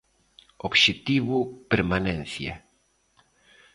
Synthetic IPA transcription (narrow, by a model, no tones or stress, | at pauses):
obʃet̪iβupeɾmanẽnθja̰